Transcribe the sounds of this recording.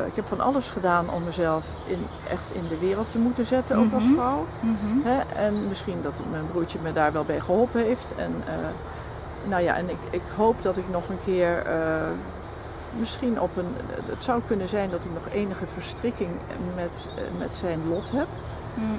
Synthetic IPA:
ɪ̰kɦɛpfɑnʔɑ̰lˠəsχədaːnɔ̰mːəzɛlˠf | ɪn | ʔɛ̰χtɪ̰ndəʋɪːrəlˠtəmutənzɪtənowkɑlˠsfrɔwɦɛɛnmɪsχindɑtmɛjnbruːɹt͡ʃəmədaːɹʋɛlˠbɛjχəɦɔlˠpənɦejftɛ̰nə | nowja̰ːʔɛ̰nɪkɪkɦowpdɑtɪknɔχənkʰɪːɹə | mɪsχinɔpənə̰tsawkɵnənzɛjndɑtɪknɔχejnəχəv̥əɹstrɪkɪŋ | mɛt | mɛ̰tsɛjnlɔtɦɛp

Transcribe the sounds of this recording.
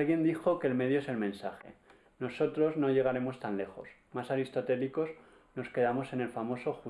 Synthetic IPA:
lɣje̞nd̪ixo̞ke̞lme̞ðjoe̞se̞lmẽ̞nsaxe̞̰ | noso̞t̪ɾo̞zno̞ʝe̞ɣ̞aɾe̞mo̞st̪anle̞xo̞̰smasaɾist̪o̞t̪e̞liko̞z | no̞ske̞ð̞amo̞se̞ne̞lfamo̞so̞xu

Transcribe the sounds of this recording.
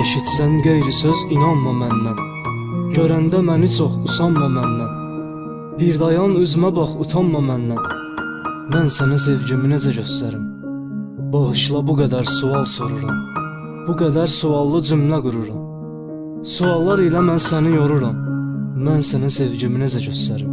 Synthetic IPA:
eʃit̪sænɡejɾisøzinɑnmɑmænːæn | ɟøɾænd̪æmænit͡ʃʰoχusɑnmɑmænːæn | biɾd̪ɑjɑnyzmæbɑχut̪ʰɑnːɑmænːæn | mænsænis̬e̞vɟiminæd͡ʒæɟøst̪æɾim | b̥ɑʁɯʃlˠɑbuɡæd̪æɾsuɑlˠsoɾuɾɑm | b̥uɡæd̪æɾsuɑlˠːɯd͡ʒymlæɡuɾuɾɑm | suɑlˠːɑɾilæmænsænijoɾuɾɑmːænsænæse̞vɟiminezæɟøst̪æɾim

